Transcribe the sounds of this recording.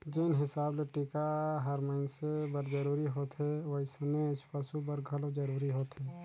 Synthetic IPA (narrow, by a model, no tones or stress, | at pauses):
d͡ʒɪnɦɪsaːbleʈikaɦəɾməɪnsebəɾd͡ʒəɾuːɾiɦoːt̪ɦɛʋəɪsəmespəsubəɾɡʱəlod͡ʒəɾuːɾiɦoːt̪ɦɛː